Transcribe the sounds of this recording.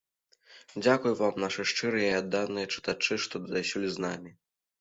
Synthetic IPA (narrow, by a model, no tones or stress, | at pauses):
d͡zʲakujvamnaʂɨʂt͡ʂɨɾɨjɐiad̪ːawnːɨjɐt͡ʂɨ̥t̪at͡ʂɨʂt̪ɔd̪d̪ajsʲulʲiznamʲi